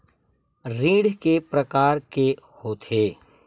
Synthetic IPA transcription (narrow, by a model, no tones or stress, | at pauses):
ɾiːɽkepɾəkaːɾkehoːt̪ʰeː